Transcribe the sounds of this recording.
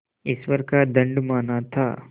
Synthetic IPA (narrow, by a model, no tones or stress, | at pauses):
ɪsʋəɾkad̪ɐ̃ɳɖmaːnat̪ʰaː